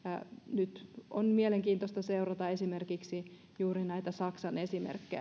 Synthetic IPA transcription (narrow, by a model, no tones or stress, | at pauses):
ɑnyt̪onmieleŋkiːnt̪ost̪ɑseurɑt̪ɑesimerkiksi | juːɾinæit̪æsɑksɑnesimḛrkːej